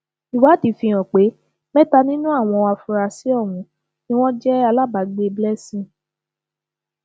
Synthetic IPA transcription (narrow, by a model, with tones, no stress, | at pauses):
i˨wa˨˦ti˨˧fĩ˧j̃ɔ̃˨k͡pe˨˦ | mɛ̃˦ta˧nĩ˦nũ˦a˦˨w̃ɔ̃˧a˧fũ˧ɾa˧si˨˦ɔ˦˨wũ˧˦ | nĩ˦w̃ɔ̃˦d͡ʒɛ˦a˧la˦ba˨ɡ͡be˧blɛ˦sĩ˦˨